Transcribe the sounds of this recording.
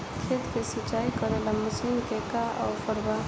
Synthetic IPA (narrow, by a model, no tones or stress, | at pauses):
kʰet̪kesit͡ʃaːikəɾelamʊslimkekaʔɔ̰ːfəɾba